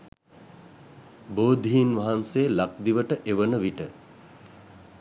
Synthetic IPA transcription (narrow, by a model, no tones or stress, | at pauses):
boːd̪ʱiinʋaɦanseːlak̚d̪iʋəʈəʔeʋənəʋiʈə